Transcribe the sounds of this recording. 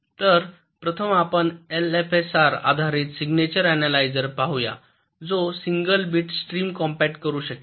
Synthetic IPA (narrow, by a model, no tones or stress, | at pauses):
t̪əɾ | pɾət̪ʰəmapəɳelefesaɾa̰d̪ʱaɾiːt̪siɡnet͡ɕəɾænalajd͡zəɾpaɦuja̰ | d͡zosiŋɡəlbiːʈsʈɾiːmkɔ̃mpæʈkəɾuːɕəke̥